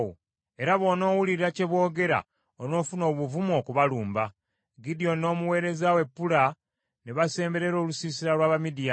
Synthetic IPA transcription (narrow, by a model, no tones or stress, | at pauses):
o | e̞ɾaβo̞ːno̞ːwuliɾiɾace̞βwo̞ːɡe̞ɾa̰ | ono̞ːfuno̞ːβuvumo̞ːkuβaluːmba | ɡidijo̞no̞ːmuwe̞ːɾe̞zawe̞pːula | neβase̞ːmbe̞ɾe̞ɾo̞ːlusiːsiɾalwaːβamidija